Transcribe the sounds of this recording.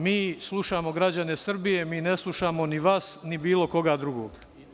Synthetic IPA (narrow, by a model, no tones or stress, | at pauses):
miːslˠuʃaːmo̞ɡɾad͡ʑane̞sr̩bije̞miːne̞slˠuʃaːmo̞niʋaːsnibiːlˠo̞ko̞ɡaːd̪ɾuɡo̰ːɡ